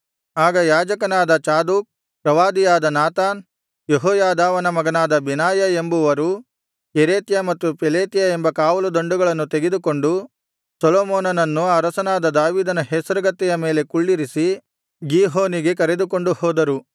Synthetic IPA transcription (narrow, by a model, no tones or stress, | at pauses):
aːɡɐjaːd͡ʒɐkɐnaːd̪ɐt͡ʃaːd̪uːk̚ | pɾɐʋaːd̪ijaːd̪ɐnaːt̪aːn | jeɦɔːjaːd̪aːʋɐnɐmɐɡɐnaːd̪ɐbinaːjɐembuʋɐɾu | keɾeːt̪jɐmɐt̪ːupeleːt̪jɐembɐkaːʋɐlud̪o̞ɳɖuɡɐɭɐnːut̪eɡed̪uko̞ɳɖu | sɐloːmoːnɐnɐnːuɐɾɐsɐnaːd̪ɐd̪aːʋiːd̪ɐnɐɦɛsɐɾɐɡɐt̪ːɛjɐme̞ːle̞kuɭːiɾisi | ɡiɦoːniɡe̞kɐɾed̪uko̞ɳɖuhɔːd̪ɐɾu